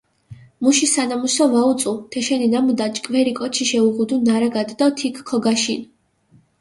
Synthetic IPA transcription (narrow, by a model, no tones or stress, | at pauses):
muʃisanamusɔvaut̪sʼut̪ʰɛʃɛninamud̪at͡ʃʼkʼvɛɾikʼɔt͡ʃʰiʃɛuʁud̪unaɾaɡad̪d̪ɔt̪ʰikːʰɔɡaʃin